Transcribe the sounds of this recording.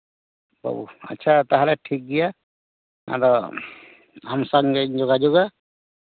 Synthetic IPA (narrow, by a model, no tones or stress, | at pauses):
bɔ̰bṵa̰tːʃʰat̪aɦalɛʈʰik̚dija | a̰ɾɔ | amsaŋɡɛɲd͡ʒɔɡad͡ʒɔɡa